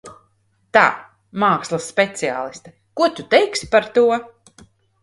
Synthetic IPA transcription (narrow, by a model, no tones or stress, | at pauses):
t̪a̰ː | maːkslˠasːpʲɛt̪sia̰ːlˠist̪a | kuɔt̪ut̪ɛjkspaɾt̪uɔ